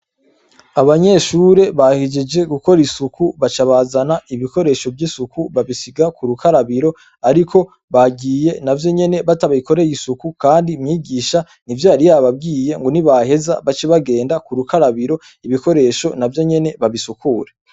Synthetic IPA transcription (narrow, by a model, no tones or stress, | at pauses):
aβaɲe̞ʃuːɾe̞βahid͡ʒed͡ʒe̞ɡuko̞ɾisukuβat͡ʃaβazanaiβiko̞ɾe̞ːʃo̞bjisukuβaβisiɡakuɾukaɾaβiɾo̞ | aɾikʰo̞ | βaɡiːje̞navjo̞ɲe̞ne̞βataβaiko̞ɾe̞jisukukaːndimɲiːɡiːʃa | nivjaːɾijaβab̚ɡiːje̞ŋɡo̞niβaɦe̞za̰βat͡ʃiβaɡe̞ːndakuɾukaɾaβiɾo̞ | iβiko̞ɾe̞ːʃo̞navjo̞ɲe̞ne̞βaβisukʰuːɾe